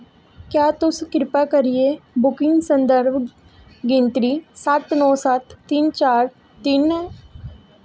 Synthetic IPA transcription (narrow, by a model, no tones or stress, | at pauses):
kjaːt̪ʊskɾɪpaːkəɾieːbʊkɪ̃ŋɡsənd̪əɾb | ɡɪ̃nt̪ɾiːsət̪nɔːsət̪ːɪnt͡ʃaːɾ | t̪ɪnː